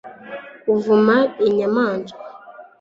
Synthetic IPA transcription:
uvumaeɲamaːnd͡ʒu̥

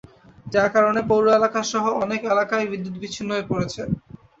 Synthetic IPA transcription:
d͡ʑakaɾonepowɾoelakaʃɔɦoɔnekelakaebid̪ːut̪bit͡ɕʰinːoepoɾet͡ɕʰe

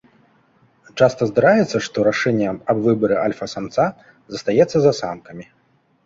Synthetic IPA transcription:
t͡ʂast̪ɐzd̪aɾajɛt̪sːɐʂt̪ɔɾaʂɛnʲːɛɐbvɨbɐɾɨʔalʲfɐsamt̪sa | zɐst̪ajɛt̪sːɐzɐsamkɐmʲi

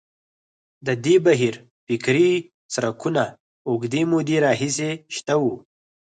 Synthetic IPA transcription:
d̪əd̪ebaɦiɾ | fɪkɾi | sɾakuna | oɡd̪emod̪eɾɑɦis̬eʃt̪awu

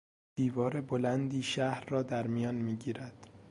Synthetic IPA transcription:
d̪̥iːvɒːɾebolænd̪iːʃæhɾːɒːd̪æɾmijɒːnmiːɟiːɾæd̪̥

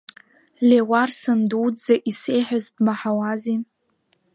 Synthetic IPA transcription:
lewarsɨnduwdd͡zaʔisejħʷᶣazbmaħawazi

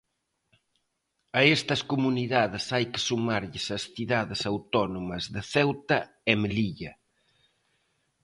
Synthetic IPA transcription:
ɐɛst̪ɐskumuniðaðɪsajkɪ̥sumaɾʎɪsɐsθiðaðɪsawt̪ɔnomɐzðɪθɛwt̪ɐ | emeliʎɐ

